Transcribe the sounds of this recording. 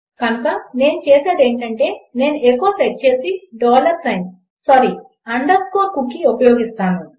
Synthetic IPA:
kɐnɐkane̞ːnut͡ʃeːseːd̪e̞ːɳʈɐɳʈe̞ːne̞ːnuekːoːseʈ̚t͡ʃeːsiɖɔːlɐɾsɐjn | sɐɾi | ɐɳɖɐɾskoːkukːiopɐjoːɡist̪aːnu

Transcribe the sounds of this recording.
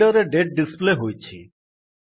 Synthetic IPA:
ɔɾeɖeʈ̚ɖispleɦojt͡ʃʰḭ

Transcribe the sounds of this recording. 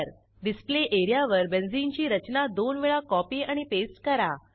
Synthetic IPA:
ɾ | ɖispleʔeɾijaʋəɾbend͡zint͡ɕiːɾət͡ɕnad̪onʋeɭakɔpiaɽ̃ipesʈkəɾa

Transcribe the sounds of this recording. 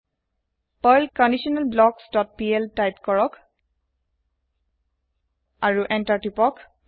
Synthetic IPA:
pɔjlkɔndiʃɔnalblɔksdɔt̚piɛltajpkɔɹɔk | aɹuʔɛntaɹtipɔk

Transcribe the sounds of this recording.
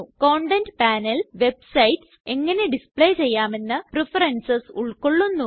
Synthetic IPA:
koːɳɖendpaːnɐlʋe̞b̚sɐjt | e̞ŋːɐne̞ɖispɭe̞ːt͡ɕe̞jːaːme̞nːɨprefɐrɐnsɐsuɭko̞ɭːunːu

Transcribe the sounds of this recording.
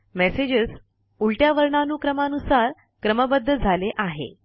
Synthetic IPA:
mɛsed͡ʑəs | uɭʈjaʋəɾɳanuːkɾəmanusaɾ | kɾəməbəd̪ʱːəd͡zʱaleʔaɦḛ

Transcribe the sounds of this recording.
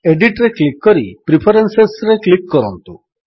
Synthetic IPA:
eɖiʈɾeklikːɔɾipɾipʰɔɾensesɾeklikːɔɾɔnt̪u

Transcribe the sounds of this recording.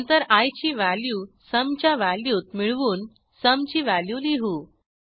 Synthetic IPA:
nt̪əɾajt͡ɕiːʋælju | səmt͡ɕjaʋæljuːt̪miɭʋuːn | səmt͡ɕiːʋæljuliɦuː

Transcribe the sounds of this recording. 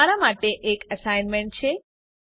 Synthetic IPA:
aɾamaʈeʔekəsajnmeɳʈ̚t͡ʃʰe

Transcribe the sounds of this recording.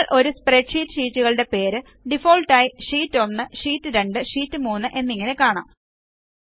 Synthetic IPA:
ɭʔo̞ɾuspreʈʂiːtːɨ̥ʂiːtːuɣɐɭɨɽe̞pe̞ːɾɨ | ɖifo̞ːɭʈːaːjiʂiːtːɨonːɨʂiːtːɨɾe̞ɳɖɨʂiːtːɨmuːnːɨʔe̞nːiŋːɐne̞kaːɳa̰ːm

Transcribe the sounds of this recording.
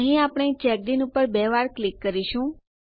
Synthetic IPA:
əɦĩapɳ̃et͡ʃɛk̚ɖinupəɾbeʋaɾklikːəɾiʃũ

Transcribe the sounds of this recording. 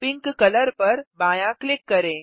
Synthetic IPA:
piŋkkələɾpəɾbãjãklikːəɾẽ

